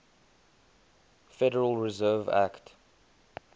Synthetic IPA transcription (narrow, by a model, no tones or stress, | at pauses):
fɛɾəɹəlˠɹɪzɜːvæ̰kt